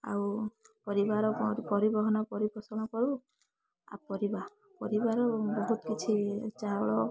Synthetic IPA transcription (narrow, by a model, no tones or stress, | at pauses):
a̰wpɔɾibaɾɔpɔɾibɔɦɔnɔpɔɾibɔsɔnɔkɔɾu | a̰pɔɾiba | pɔɾibaɾɔbɔɦut̪kit͡ʃʰit͡ʃaɔɭɔ